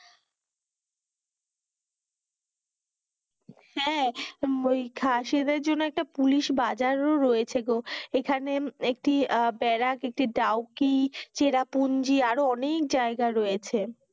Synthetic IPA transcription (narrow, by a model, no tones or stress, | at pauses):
hɛ̃mojkʰaʃed̪eɾd͡ʑonːoɛk̚ʈapuliʃbad͡ʑaɾoɾoet͡ɕʰeɡoekʰaneek̚ʈibɛɾakek̚ʈiɖawkit͡ɕeɾapund͡ʑiaɾoɔnek̚d͡ʑaeɡaɾojet͡ɕʰe